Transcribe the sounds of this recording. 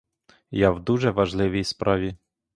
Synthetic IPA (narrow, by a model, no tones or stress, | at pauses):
jawd̪uʒɛʋɐʒlˠɪʋʲijspɾʔɑʋʲi